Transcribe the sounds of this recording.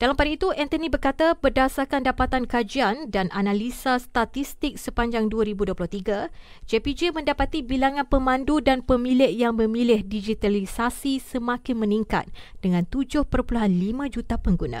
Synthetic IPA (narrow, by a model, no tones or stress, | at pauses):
d̥alampadait̪uʔɛnt̪ənibərkat̪abərdasakandapat̪ankad͡ʒiandanʔanalisast̪at̪ist̪ɪk̚səpaɲd͡ʒaŋduaɾibuduoplʊht̪iɡa | d͡ʒepid͡ʒemə̃ndapat̪ibilaŋãnpəmãndudanpəmilɪʔjaŋməmilɪhdid͡ʒit̪alisasisəmãkɪnmə̃niŋka̰t̪̚d̥əŋãnt̪ud͡ʒʊhpərpuluɦanlimãd͡ʒut̪apəŋɡunã̰